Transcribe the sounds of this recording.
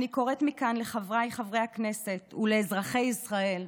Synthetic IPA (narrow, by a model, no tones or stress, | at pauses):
niko̞ʁet̪mikanle̞χavʁajχavʁe̞jhakne̞se̞t̪uleːzʁaχe̞jisʁae̞l